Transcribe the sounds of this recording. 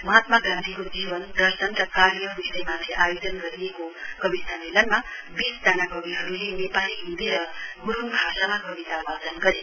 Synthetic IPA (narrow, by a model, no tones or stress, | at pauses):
mɦat̪maɡant̪ʰikod͡ʑiʋənd̪ʌɾsənɾʌkaɾjʌʋisəjmad̪ʱjeʔajod͡zənɡʌɾiekokʌbisamelənma | bisd͡zanaɡʌbiɦʌɾulenepaliind̪ʱeɾʌɡuɾ̤umbʱaʃamakʌbit̪abad͡zənɡʌɾe